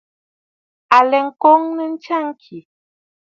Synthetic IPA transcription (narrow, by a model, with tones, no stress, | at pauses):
a˨lɛ˨ŋ̩˨ko˦ŋnə˦n̩˦t͡ʃa˦˨ŋ˦kʰi˨